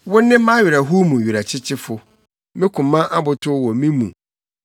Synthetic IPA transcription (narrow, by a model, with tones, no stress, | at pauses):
wʊ̃˦nːɪ̃˦mã˦ɥɪ˨ɾa˨ɦu˦mũ˨ɥu˨ɾa˨t͡ɕʰɪ˦t͡ɕʰɪ˦fʊ˨ | mɪ̃˦kʰʊ̃˨mã˦ʔa˦bʊ˨tʰʊ˦wɔ˨mĩ˦mṵ̃˨